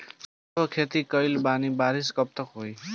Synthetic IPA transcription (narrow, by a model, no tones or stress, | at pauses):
sʌbʌkʰet̪ikʌjlbanibaɾiskʌp̚t̪ʌkɦoj